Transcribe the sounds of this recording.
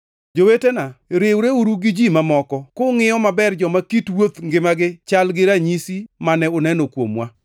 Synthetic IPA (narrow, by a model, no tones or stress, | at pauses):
d͡ʒowetenaɾɪwɾeuɾuɡɪd͡ʒimamɔkɔkoŋɪjɔmabɛrd͡ʒɔmakitwot̪ŋɡɪmaɡɪt͡ʃalɡɪɾaɲisimanɛʊnɛnokwo̰mwa